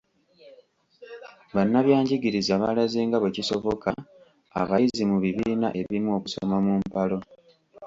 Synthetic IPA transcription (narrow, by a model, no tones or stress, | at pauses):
βanːaβjaːɲɟiɡiɾizaβalaziːŋɡaβeciso̞vo̞ka | a̰βajizimuβiβiːna̰ʔe̞βimuo̞ːku̥somamumpalo̞